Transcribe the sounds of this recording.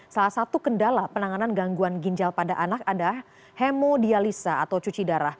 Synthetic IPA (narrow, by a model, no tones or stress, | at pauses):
salahsat̪ukəndalapənaŋananɡaŋɡuanɡiɲd͡ʒalpadaʔanakadalah | hemodialisaːt̪awt͡ʃut͡ʃidaɾah